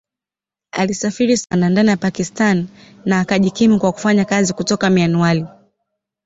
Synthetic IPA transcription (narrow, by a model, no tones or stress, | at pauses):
a̰lisafiɾisanandanijapakistan | naːkaʄikimikwaku̥faɲakazikutɔkamianuali